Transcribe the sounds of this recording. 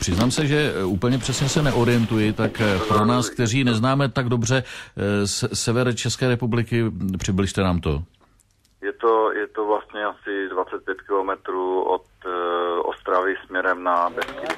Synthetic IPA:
pr̥ɪznaːmsɛʒɛuːpl̩ɲɛpr̝̥ɛsɲɛsɛnɛʔo̞ɾɪjɛnt̪ujɪt̪akpɾonaːsk̚t̪ɛriːnɛznaːmɛt̪aɡdo̞br̝ɛ | ssɛvɛɾt͡ʃɛskɛːɾɛpublɪkɪpr̥ɪblɪʃt̪ɛnaːmt̪o̞̰ | jɛt̪ojɛt̪ovlast̪ɲɛasɪdvat͡sɛt̪̚pjɛt̪kɪlomɛt̪ɾuːo̰t̪ʔo̰st̪ɾavɪsmɲɛɾɛmnabɛskɪ

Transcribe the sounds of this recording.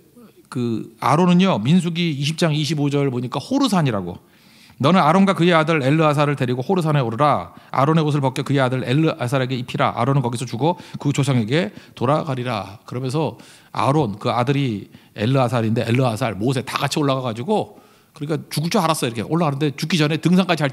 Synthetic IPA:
kɯa̰ɾonɯɲʌmins̬ʰuɡiːɕ̬ʰip̚t͡ɕ͈aŋiɕʰibod͡ʑʌɾɭpoɲik͈ahoɾɯsʰaɲiɾaɡo̰ | nʌnɯnaɾonɡwakɯje̞adɯɾe̞ɭːɯas̬ʰaɾɯɭte̞ɾiɡohoɾɯsʰaneoɾɯɾaa̰ɾone̞ɡos̬ʰɯɭpʌk͈jʌkɯje̞adɯɾeɭːɯasʰaɾe̞ɡe̞ipʰiɾa̰ʔa̰ɾonɯnkʌɡisʰʌt͡ɕuɡokɯt͡ɕosʰʌŋe̞ɡe̞toɾaɡaɾiɾa̰kɯɾʌmjʌns̬ʰʌ | a̰ɾonkɯadɯɾi | e̞ɭːɯas̬ʰaɾinde̞ʔeɭːɯasʰaɭmos̬ʰe̞ta̰ɡat͡ɕʰioɭːaɣaɡad͡ʑiɡo | kɯɾik͈at͡ɕuɡut͡ɕ͈ʰoaɾas͈ʌʌiɾʌkʰe̞ʔoɭːaɣanɯnde̞t͡ɕuk͈id͡ʑʌne̞tɯŋs̬ʰaŋk͈ad͡ʑia

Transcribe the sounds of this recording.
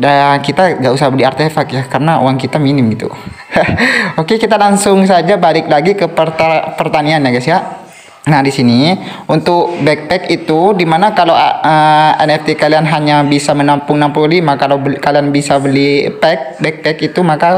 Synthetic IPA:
dakit̪aŋɡausahbəliart̪efakjahkarənao̰waŋkit̪aminɪmɡit̪ṵ | okekit̪alaŋsʊŋs̬ad͡ʒabalɪk̚laɡikəpərt̪apərt̪anianjaɡasja | nahdisiniunt̪ʊkbɛk̚pɛkit̪udimanakalaəɛnɛft̪ikalianɦaɲabisamənampʊŋnampulolimakalawbkalianbisabəlipɛk̚bɛk̚pɛkit̪umaka

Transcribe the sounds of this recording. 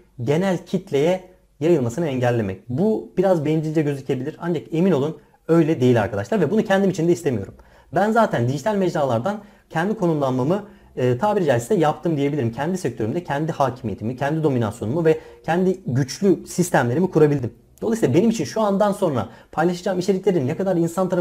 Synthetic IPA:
ɟe̞nælʲcʰit̪ʰlʲe̞jɛ | jajɯlˠmasɯnɯɛɲɟælʲːe̞mɛ̰c̚bub̥iɾazbeind͡ʒilʲd͡ʒ̪ɛɟøzicʰe̞bilʲiɾand͡ʒake̞mino̞lˠun | ø̞jlʲɛd̪e̞jilʲa̰ɾkʰad̪a̰ʃlˠaɾvɛbunucʰɛnd̪imit͡ʃʰind̪ɛist̪emijo̞ɾum | bænzaːt̪ʰænd̪iʒit̪ʰalʲmɛd͡ʒlaːlˠaɾd̪an | cʰɛnd̪ikʰo̞numlˠanmamɯ | ɯːt̪ʰaːbiɾd͡ʒɛsi̥d̪ɛjap̚t̪ʰɯmd̪ijebilʲiɾimcʰɛnd̪isɛc̚t̪ʰø̞ɾymd̪ɛcʰɛnd̪ihaːcʰimije̞t̪ʰimicʰɛnd̪id̪o̞mina̰sjo̞numuvɛcʰɛnd̪iɟyt͡ʃlʲysist̪ʰæmlʲe̞ɾimikʰuɾabilʲd̪im | d̪̥o̞lˠasilˠabe̞nimit͡ʃʰinʃuand̪anso̞nɾa̰pʰajlˠaʃad͡ʒaːmit͡ʃʰeicʲlʲe̞ɾinːɛkad̪aɾinsant̪ʰaɾa

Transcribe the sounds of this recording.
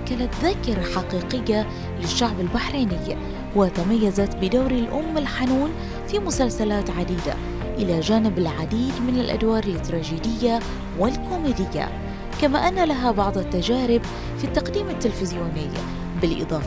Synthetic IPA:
kalat̪ðakːɑɾˤaħaqiːqɪjːa | lɪʃːaʕbɪlbaħɾiːnɪjːa | wɪt̪amajːazat̪bɪd̪awɾɪlʔʊmːɪlħanuːn | fimʊsalsalaːt̪ʕad̪iːd̪a̰ | ʔɪlad͡ʒaːnɪbɪlʕad̪iːd̪mɪnɪlʔa̰d̪wɑːɾˤlɪt̪ːɾˤɑːd͡ʒiːd̪ɪjːa | wɪlkoːmeːd̪ɪjːa̰ | kamaːʔanːalaɦabɑʕd̪ˤat̪ːad͡ʒaːɾɪb | fit̪ːaqd̪iːmɪt̪ːɪlfɪzjuːnɪj | bɪlʔɨ̰d̪ˤɑːf

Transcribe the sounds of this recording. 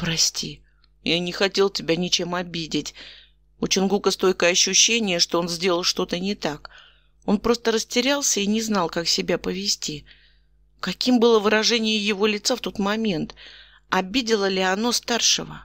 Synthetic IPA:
pɾɐsʲtʲi | janʲɪxɐtʲe̞lˠtʲɪbʲanʲɪt͡ɕe̞mɐbʲidʲɪtʲ | ut͡ɕɪnɡukəst̪o̞jʲkəɐɕːʊɕːenʲɪjəʂt̪o̞o̞nzʲdʲelˠəlˠʂt̪o̞t̪ənʲɪt̪ak | o̞npɾo̞st̪əɾəsʲtʲɪɾʲalˠsʲəinʲɪznɑlˠkaksʲɪbʲapəvʲɪsʲtʲi | kɐkʲimbɨlˠəvɨɾɐʐɛnʲɪjəjɪvo̞lʲɪt̪saft̪o̞t̪mɐmʲe̞nt̪ | ɐbʲidʲɪlˠəlʲɪɐno̞st̪arʂɨ̰və̰

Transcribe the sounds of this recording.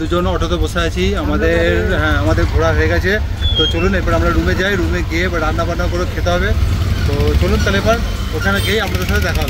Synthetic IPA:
d̪ud͡ʒɔnɔʈʰɔt̪ɔbɔsajat͡ʃʰiamad̪eɾamad̪eɾɡʱoɽaɦɔeɡat͡ʃʰie | t̪ɔt͡ʃoluneɾpɔɾamɾaɾumed͡ʒajɾumeɡiebaɖand̪abanakɔɾokʰet̪ɔɦɔbet̪ɔt͡ʃolunt̪alepaɾ | okʰanakejamɾad̪sat̪ed̪ɛkʰa

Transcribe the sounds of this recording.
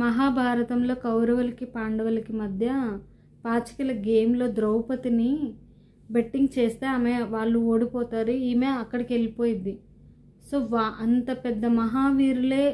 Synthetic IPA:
mɐɦaːbʱaːɾɐt̪ɐmlo̞ːkɐwɾɐʋɐlɐkipaːɳɖɐʋɐlɐkimɐd̪ʱjɐ | paːt͡ʃɐ̥kɐlɐɡe̞ːmlo̞ːd̪ɾɐwpɐt̪ini | beʈːiŋɡt͡ʃeːst̪e̞ːaːmeʋaːɭːuoːɽipɔːt̪aːɾuiːmeːɐkːɐɽɐkielipo̞ːjind̪i | so̞ːʋɐnt̪ɐpɛd̪ːɐmɐɦaːʋiːɾule̞ː

